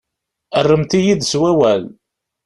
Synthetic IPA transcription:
ərˤːəmt̪ijid̪swæwæl

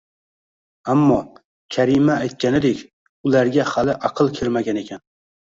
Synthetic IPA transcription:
amːɒ | kʲʰaɾimaːjt̪̚kʲanɪd̪e̞kʲ | ʊlaɾɡʲahalɪʔaqʰɨlˠkʲʰelmaɡʲane̞kʲʰan

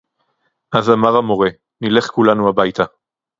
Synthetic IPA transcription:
ʔazamaʁamo̞ʁe | nile̞χkulanuabajt̪a

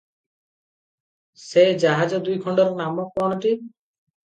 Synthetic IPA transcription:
sejd͡ʒaɦad͡ʒɔd̪ujkʰɔɳɖɔɾnamɔk̚pɔñɔʈi

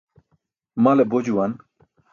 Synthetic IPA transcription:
malebod͡ʑuwan

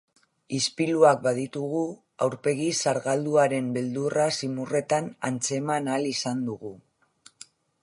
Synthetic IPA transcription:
ispiluak̚bað̞it̪uɣ̞u | awɾpe̞ɣisaɾɣald̪uaɾe̞mbe̞ld̪urasimure̞t̪ana̰nt͡se̞manalisand̪uɣu

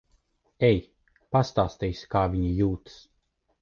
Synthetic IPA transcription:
ɛj | past̪aːst̪ɛjsʲkaːviɲijuːt̪s

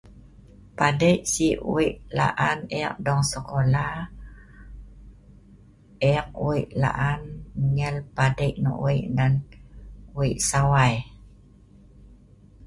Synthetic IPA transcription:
padəjʔsiṵiʔla̰ʔanɛ̰k̚dɔŋsəkolah | eak̚uiʔla̰ʔanmŋəlpadəjʔnɔ̰ʔw̰iʔnan | uiʔsawaj

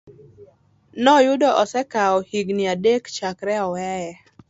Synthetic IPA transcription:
nɔjʊdɔʔɔsɛkaɔhiɡnɪadekt͡ʃakɾɛɔwɛjɛ

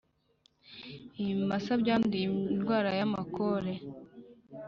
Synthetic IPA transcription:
imasabɟaːndijinɡwaːɾajamakoɾe

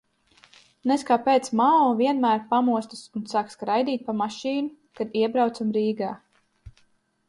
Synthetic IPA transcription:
nɛskaːpeːt̪smaːɔviɛnmæːɾpamuɔst̪ḁsunsaːkskɾajd̪iːt̪̚ʲpamaʃiːnu | kad̪iɛbɾawt̪samɾiːɡaː

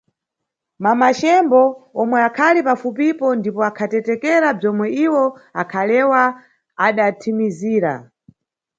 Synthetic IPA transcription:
mamat͡ʃɛmbɔɔmwɛakʰalipafupipɔndipɔakʰatɛtɛkɛɾab͡ʐɔmwɛiwɔakʰalɛwaː | ɗatʰimiziːɾa̰

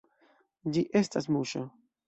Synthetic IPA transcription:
d͡ʒiʔestasmuʃa

